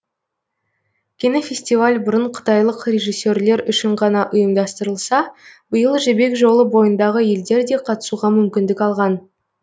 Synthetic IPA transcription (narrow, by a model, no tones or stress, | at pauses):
kʲʰenefʲe̞sʲt̪ivalʲbʊɾəɴqʰə̥t̪ɑjlˠəqre̞ʒijsːe̞ɾle̞ɾʏʃɪɴʁɑnɑʔʊjəmd̪ɑst̪əɾəlˠsɑb̥əjəlˠʒɪbe̞kʒo̞lˠəbo̞jənd̪ɑʁəje̞ld̪e̞ɾd̪e̞qʰɑt̪ə̥suʁɑmʏmkʲɪnd̪ɪkʲɑlˠʁɑn